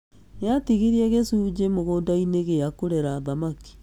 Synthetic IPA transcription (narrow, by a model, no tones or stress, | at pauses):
neatiɣiɾiɛɣesud͡ʑemoɣodaineɣeakoɾɛɾaːðamaki̥